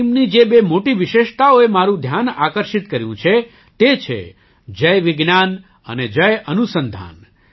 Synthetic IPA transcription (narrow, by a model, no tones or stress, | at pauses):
mnid͡ʒebemoʈiʋɪʃeʃt̪aoemaɾũd̪ʱjana̰kəɾʃit̪kəɾjṵ̃t͡ʃʰe | t̪et͡ʃʰḛ | d͡ʒəjʋɪɡnan | ə̰ned͡ʒəjʔənusənd̪ʱa̰n